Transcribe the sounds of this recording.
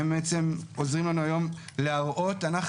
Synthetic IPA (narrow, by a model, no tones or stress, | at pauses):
embeet͡se̞mozʁimlanuajo̞m | leaʁʔo̞tanaχ